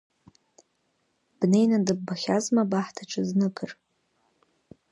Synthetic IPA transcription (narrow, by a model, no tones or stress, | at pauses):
b̥ne̞jnandɨbːaχʲazmabaħtʰaʈ͡ʂʰʼɨznɨkʰʼɨr